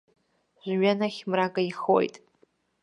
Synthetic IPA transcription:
ʒʷɥanaχʲmrakʼaiχo̰jtʼ

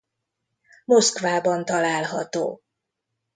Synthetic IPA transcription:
moskʋaːbɒnt̪ɒlaːlɦɒt̪o̰ː

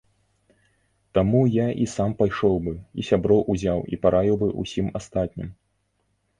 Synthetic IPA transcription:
t̪amujaʔisampajʂɔwbɨḭsʲabɾɔwʔuzʲawḭpaɾʔavʲiwbɨʔṵsʲimast̪at̪ʲnʲim

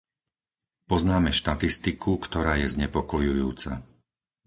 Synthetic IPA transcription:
pɔznaːmɛʃt̪at̪ist̪ikʰukt̪ɔɾaːjɛzɲɛpɔkɔjujuːt͡sa̰

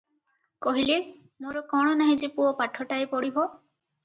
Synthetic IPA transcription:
kɔɦile | moɾɔkɔɽ̃ɔnaɦid͡ʒepuɔpaʈʰːɔʈaepɔɽibɔ

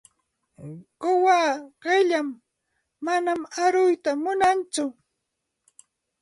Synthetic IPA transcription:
kʊwaːɢɪʎamː | anamaɾʊjt̪amʊnant͡sʊ

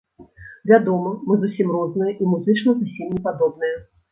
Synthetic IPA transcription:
vʲad̪ɔmɐmɨzusʲimrɔznɨjɐʔimuzɨt͡ʂnɐzusʲimnʲɛpad̪ɔbnɨjɐ

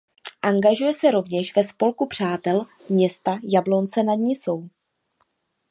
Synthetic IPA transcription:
ʔaŋɡaʒujɛsɛɾo̞vɲɛʃvɛspo̞lkupr̥aːt̪ɛl | mɲɛst̪ajablo̞nt͡sɛnad̪ɲiːso̞w

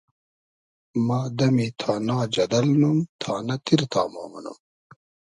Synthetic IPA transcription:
maːd̪ɐmit̪ʰaːnaːd͡ʑɐd̪ɐlnumt̪ʰaːnɐt̪iɾt̪aːma̰ːmɐnṵm

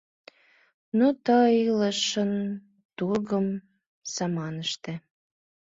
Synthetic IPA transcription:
not̪əiləʃən | t̪urɣəm | sɑmɑnəʃt̪ĕ

